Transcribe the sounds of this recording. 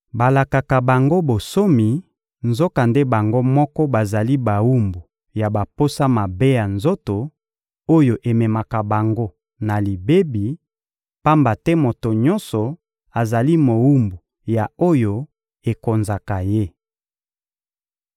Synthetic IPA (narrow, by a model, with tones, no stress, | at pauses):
ba˨la˨ka˨ka˨ba˨ŋɡo˦bo˨so˦mi˨ | nzo˦ka˨nde˦ba˨ŋɡo˦mɔ˦kɔ˦ba˨za˨li˦ba˨wu˦mbu˨ | ja˨ba˨po˦sa˦ma˨be˦ja˨nzo˦to˨ | o˦jo˨ʔe˨mɛ˨ma˨ka˨ba˨ŋɡo˦ | na˨li˨be˦bi˨ | pa˦mba˨tɛ˦mo˨to˨ɲɔ˦nsɔ˨ | a˨za˨li˦mo˨wu˦mbu˨ | ja˨o˦jo˨ | e˨ko˨nza˨ka˨je˦